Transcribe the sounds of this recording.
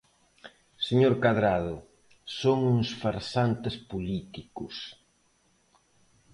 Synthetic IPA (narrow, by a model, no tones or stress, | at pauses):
seɲoɾkaðɾað̞ʊ | soŋuŋsfaɾsant̪espulit̪ikʊs